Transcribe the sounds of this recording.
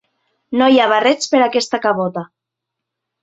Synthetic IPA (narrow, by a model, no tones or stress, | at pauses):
nojaβarɛt͡speɾakɛst̪akaβot̪a